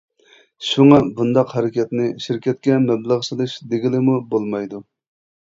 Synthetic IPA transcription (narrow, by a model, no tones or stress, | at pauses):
ʃuŋɑbund̪ɑqhɛɾɪkʲɛt̪nɪʃiɾkʲɛt̪̚kʲɛmɛblˠəʁt͡ʃʰɨlˠɨʃd̪eɡʲilɪmubolˠmɑjd̪u